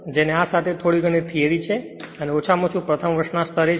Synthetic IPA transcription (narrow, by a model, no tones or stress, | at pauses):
d͡ʒeneasat̪ʰet̪ʰoɽiɡʱənit̪ʰieɾit͡ʃʰe | əneot͡ʃʰamõt͡ʃʰũpɾət̪ʰəmʋəɾʃnast̪ʰəɾe